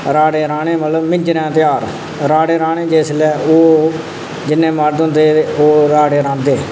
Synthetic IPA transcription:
ɾaːɽeːɾãːɳẽːmət̪ləbmɪ̃ɲd͡ʒɾãːt̪ɪjaːɾ | ɾaːɽeːɾaːɳẽːd͡ʒeːslɛːoː | d͡ʒɪnːẽːmaːɾd̪õːd̪eːoːɾaːɽeːɾãːnd̪eː

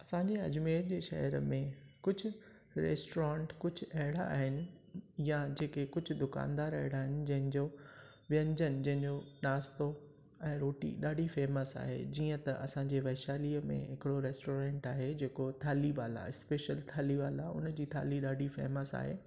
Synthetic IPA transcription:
ɐsãːd͡ʑeɐ̰d͡ʑmeːɾd͡ʑeːʃɐ̰ɦəɾəmẽkʊd͡ʑʱʊ̆ | ɾḛːsʈoɾãːɳʈkʊd͡ʑʱʊɐɦɪɽaːɦɪnɪ̆jad͡ʑeːkekʊd͡ʑʱʊ̆d̪ʊka̰ːnd̪aːɾɐɦɪɽaːɦɪnɪ̆d͡ʑɐ̃ɦɪ̃ɲd͡ʑo | ʋijə̃ɲd͡ʑənɪ̆d͡ʑɐ̃ɦɪ̃ɲd͡ʑonaːst̪o | ɛ̃ːɾoːʈḭɗaːɖʱifeːməsa̰ːɦḛd͡ʑiːə̃t̪ɐʔɐsãɲd͡ʑeːʋɐɦʃaːliːəmḛ̃ɦɪkɪɽoɾeːsʈoːɾẽːɳʈaːɦed͡ʑeːkot̪ʰaːliʋaːla̰ɪspeːʃəlt̪ʰaːliʋaːlaʊ̰nd͡ʑiːt̪ʰa̰ːliɗaːɖʱifḛːməsa̰ːɦḛː

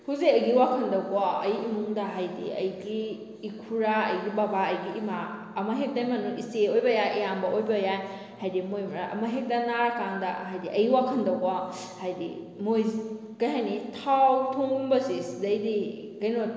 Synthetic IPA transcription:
huziɐjɡiwakʰɐndɐɡwaɐjimuŋdɐɦajdḭɐ̰jɡiː | kʰuɾaɐjɡibabaɐjɡiima | ɐmɐɦek̚dajmɐnuniseojbɐjajʔɐjambɐojbɐjaj | hajdimojmuɾa̰ʔɐ̰mɐɦek̚dɐnaɾkaŋdɐɦajdiʔɐjwakʰɐndɐɡwa | hajdḭ | moj | ɡɐjɦajnitʰawtʰoŋbɐsisdɐjdi | ɡ̥ɐjno

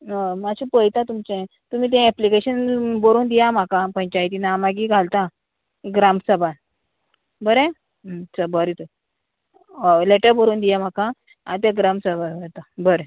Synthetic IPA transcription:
mad͡ʑĩpəjt̪ãt̪umt͡ɕẽ | t̪um̤iːt̪̬ẽɛplikeɕənboɾuːnd̪ijam̤akãpə̃ɲt͡ɕajt̪̬inamaɡiɡʱalt̪ã | ɡɾamsəba | bəɾe | t͡səbəɾit̪ə | leʈəɾboɾuːnd̪ijam̤akã | at̪̬ẽɡɾamsəbaɡəɾt̪abəɾe

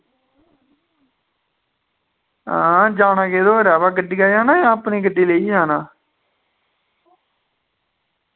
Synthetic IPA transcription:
aːd͡ʒaːnãːkeːd̪oːɾaːbaːkəʈːiːɡaːd͡ʒaːnãːjãːəpːnĩːk̬əɖiːleːid͡ʒaːnãː

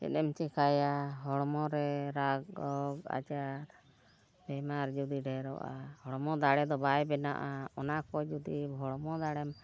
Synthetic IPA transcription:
ɛ̰lɛmt͡ʃɛkajaɦɔɽmɔɾɛɾaɡ̚ɔɡa̰d͡ʒaɾ | bɛmaɾd͡ʒud̪iɖɛɾɔ̰wʔa̰hɔɽmɔd̪aɽɛd̪ɔbajbɛnaʔaɔnakɔd͡ʒud̪ibʱɔɽmɔd̪aɽɛm

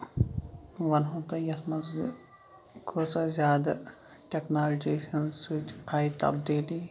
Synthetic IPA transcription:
ʋɐnɦõːt̪ɐjɐsmɐz | kʰoːsɐzjaːd̪ɐ | ʈeknaːld͡ʒeːʃɐnsɨt͡ʃaːit̪ɐ̰bd̪iːli

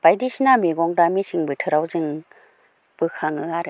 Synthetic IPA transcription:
b̥ajdisinameɡɔŋɾamisiŋbɯtʰɯɾawzɯŋ | b̥ɯkʰaŋɯaɾɯ

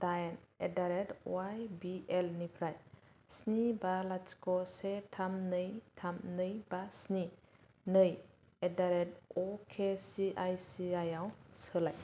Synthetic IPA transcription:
d̥ajnedaɾedɔajbielnipʰɾajsnibalat͡ʃkɔsetʰamnɯjtʰamnɯjbasni | nɯj | edaɾedɔkʰesiʔajsiajawsɯlaj

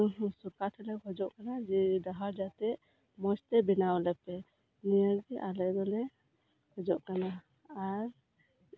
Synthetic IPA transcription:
suɾkatʰɛlɛkɦɔd͡ʒɔʔkanad͡ʒɛd̪aɦaɾd͡ʒat̪ɛ | mɔst̪ɛbinawlɛpɛ | nijəɾɡɛʔalɛʔd̪ɔlɛ | hʰɔd͡ʒɔʔkanaː | ɾ

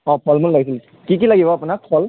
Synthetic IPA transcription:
ɔ̃pʰɔlmanlaɡisil | kik̬ilaɡibɔapnapʰɔl

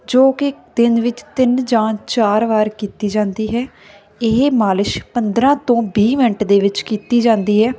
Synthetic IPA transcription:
d͡ʒoːkɪd̪ɪnʋɪt͡ʃt̪ɪnd͡ʒãːt͡ʃaːɾʋaːɾkiːt̪iːd͡ʒãːnd̪iːɦɛː | ɪɦeːmaːlɪʃpənd̪ɾãːt̪õːbiːʋɛ̃ɳʈd̪eːʋɪt͡ʃkiːt̪iːd͡ʒãːnd̪iːɦɛː

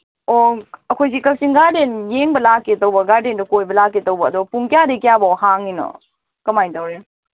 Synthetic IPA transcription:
ɔɐkʰojsikɐp̚siŋɡadenjeŋbɐlakːetɐwbɐɡaɾdendɔkojbɐlakːetɐwbɐːdɔpuŋkijadekijabɔwhaŋinɔ̰ | kɐmajntawɾen

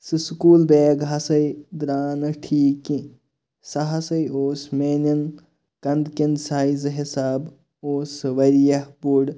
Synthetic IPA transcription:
sɨskuːlbeːɡɦɐsɐjd̪ɾaːnɐʈʰiːkĩ | sɐɦɐsɐjoːsmeːnɐn | kɐnd̪kinsaːjzɦesaːb | oːsɨʋɐɾjɐhbuɖ

